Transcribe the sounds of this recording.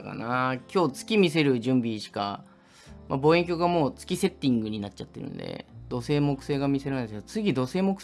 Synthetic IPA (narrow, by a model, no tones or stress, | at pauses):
ka̰nakʲʰo̞ːt͡sɨ̥kʲimʲise̞ɾɯ̟ʑɨ̃mbʲiɕi̥ka | mabo̞ːẽ̞ŋkʲo̞ːɡamo̞ːt͡sɨ̥kʲise̞t̪ːĩŋɡɯ̟ɲ̟inatt͡ɕat̪ːe̞ɾɯ̟̰̃n̰d̪e̞̰d̪̥o̞se̞ːmo̞kɯ̟̥seːɡamʲise̞ɾanid̪eskd̪ot͡sɨɡʲid̪o̞se̞ːmo̞kɯ̥